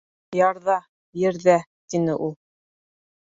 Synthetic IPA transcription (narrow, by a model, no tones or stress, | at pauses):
jɑɾðɑ | jɘ̆ɾðæt̪inɘʔulˠ